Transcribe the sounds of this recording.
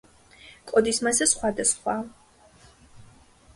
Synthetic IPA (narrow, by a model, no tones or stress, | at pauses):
kʼɔd̪ismazɛsχwad̪asχwa